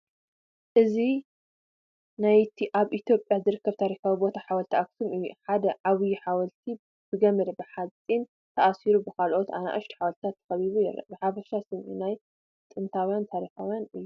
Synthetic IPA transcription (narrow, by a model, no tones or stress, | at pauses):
ʔɨzi | najt̪ʰiʔaβʔit̪ʰjo̞pʼjazɨɾɨkːɐβt̪ʰaɾixawibo̞t̪ʰaħawɐlt̪ʰiʔaksɨmʔɨjːuħad̪ɐʕaβjuħawɐlt̪ʰi | b̥ɨɡɐmɨɾɐbɨħat͡sʼin | t̪ʰɐʔasiɾubɨkalʔo̞t̪ʔa̰na̰ʔɐʃt̪ʰi̥ħawɐlt̪ʰat̪ʰːɐ̥xɐliβujɪ̰ɾɐ̰bɨħafɐʃasɨmʔinaj | t̪ʼɨnt̪ʰawjant̪ʰaɾixawjanɨjːu